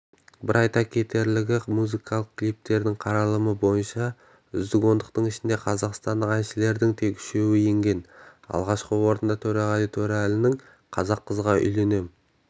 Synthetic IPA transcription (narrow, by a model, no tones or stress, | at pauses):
bɪɾʔɑjt̪ɑkʲʰe̞t̪e̞ɾlɪɡʲɪmuzijkʰɑlˠəq̚kʲlijp̚t̪e̞ɾd̪ɪŋqʰɑɾɑlˠəməbo̞jənʃɑ | ʏzd̪ɪɡo̞nd̪əq̚t̪əɴɪʃɪnd̪e̞qʰɑzɑqst̪ɑnd̪əqænʃɪle̞ɾd̪ɪŋt̪ʰe̞kʏ̥ʃe̞wɪje̞ŋɡʲe̞nɑ̰lˠʁɑʃqəwo̞ɾənd̪ɑt̪ʰɵɾɑʁɑd̪it̪ʰɵɾialɪnɪŋ | qʰɑzɑqːəzʁɑʔʏ̰jle̞ne̞m